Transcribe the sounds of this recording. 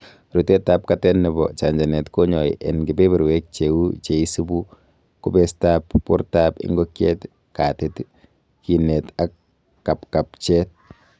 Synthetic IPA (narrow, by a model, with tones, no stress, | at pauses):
ɾu˨tɛ˦ta˦p̚katɛ˦nːɛ˨bɔ̰˨t͡ʃa˨ɲd͡ʒa˨nɛ˨tko˦ɲɔ˨ḭʔɛnɡɪ˨be˦bɛ˨ɾwe˦k̚t͡ʃewu˦t͡ʃe˨i˦su˦bu˦ | kʊ˦bɛ˦sta˦pːṵ˦ɾtapɪ̰˦ŋɡokjɛ˦t | katɪt | ki˨nɛ˨takː | a˨pka˨pt͡ʃɛ˦t̚